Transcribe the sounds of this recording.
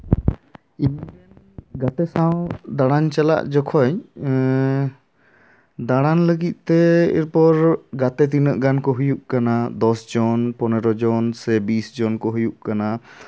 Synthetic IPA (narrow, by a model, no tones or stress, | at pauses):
imiɛ | ɡat̪ɛsawd̪aɽaɲt͡ʃala̰ʔd͡ʒɔkʰɔɲ | d̪aɽ̃anləɡit̪̚ˀt̪ɛɛ̰ɾpɔɾɡat̪ɛt̪̬inəʔɡankɔɦujuʔkanad̪ɔsd͡ʒɔnpɔnɛɾɔd͡ʒɔnsɛbisd͡ʒɔnkɔɦujuʔkana